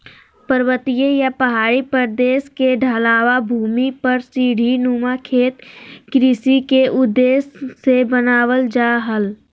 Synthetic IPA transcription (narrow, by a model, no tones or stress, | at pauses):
pəɾwət̪ijejapəɦaːɾipəɾd̪eːskeɖʱaːlaːʋabʱuːmipəɾsiːɽʱinuːmakʰeːt̪kɾisikeʔʊd̪eːsːebənaːʋəld͡ʒaːɦəl